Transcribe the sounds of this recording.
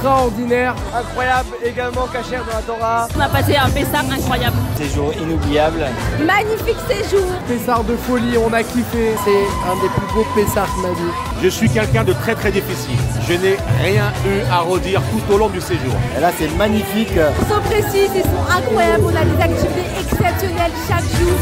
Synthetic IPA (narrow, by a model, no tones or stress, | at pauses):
kst̪χaɔʁd̪inɛʁɛ̃kχwajableɡalmɑ̃kaʃɛʁd̪ɑ̃lat̪ɔʁaɔ̃napaseɛ̃pesaʁɛ̃kχwajablseʒuʁinublijablmaɲifikseʒuːʁpesaʁd̪əfɔliɔ̃nakʲifɛsɛ | ɛ̃d̪eplyɡopesaʁkmad̪i | ʒəsɥikʲɛlkʲɛ̃d̪ət̪χɛt̪χɛd̪ifisḭlʒənɛʁjɛ̃yaʁəd̪iʁt̪ut̪olɔ̃d̪yseʒṵːʁḛlasɛmaɲifiksɔ̃pχesizisɔ̃ʔɛ̃kχwajablɔ̃nad̪ezak̚t̪ivit̪eʔɛksɛpsjɔnɛlʃakʒuːʁ